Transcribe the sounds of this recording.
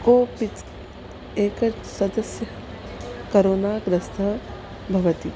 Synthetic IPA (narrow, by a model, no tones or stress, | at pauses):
oːpit̪ | eːkɐ | sɐd̪ɐsjɐ | kɐɾoːnaːɡɾɐst̪ʰɐ | bʱɐʋɐt̪i